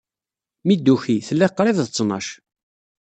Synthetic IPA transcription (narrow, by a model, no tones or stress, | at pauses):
mid̪ːuçiθəlːæqːɾˤɪððət͡sːnɑ̰ʃ